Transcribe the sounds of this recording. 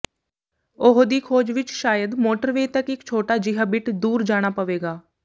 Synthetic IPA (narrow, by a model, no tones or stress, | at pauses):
ʊɦd̪iːkʰoːd͡ʒʋɪt͡ʃʃaːjəd̪moːʈəɾʋeit̪əkɪkt͡ʃʰoːʈaːd͡ʒɪɦaːbɪʈd̪uːɾd͡ʒaːɽ̃aːpəʋeːɡaː